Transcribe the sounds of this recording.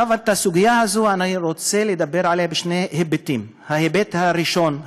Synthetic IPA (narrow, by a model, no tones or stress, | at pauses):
avat̪asuɡijahazuaniɾot͡seled̪abe̞ɾʕalehabeʃnehebet̪im | hahebet̪haɾiʃo̞n